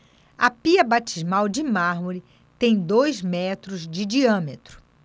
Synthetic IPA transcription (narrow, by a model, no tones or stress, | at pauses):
ɐpiɐbat͡ʃizmawd͡ʒɪmaɾmuɾɪ | t̪ẽj̃d̪ojzmɛt̪ɾʊzd͡ʒɪd͡ʒiɐ̃met̪ɾʊ̥